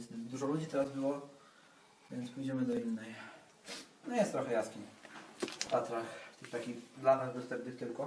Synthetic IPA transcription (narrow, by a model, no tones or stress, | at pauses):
sd̪uʐɔlud͡ʑit̪ɛɾazbɘwɔ | vʲjɛntspujd͡ʑɛmɘd̪ɔinːɛj | nɔjɛst̪ɾɔxɛjaskʲi | fp̪at̪ɾaxft̪ɘxt̪akʲixd̪lanazbɛst̪ɛp̚nɘxt̪ɘlkɔ